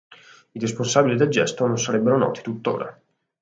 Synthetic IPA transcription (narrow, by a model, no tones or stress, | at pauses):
iɾisponsaːbilid̪eld͡ʒɛst̪ononsaɾɛbːeɾonɔ̰ːt̪i̥t̪ut̪ːo̰ːɾa̰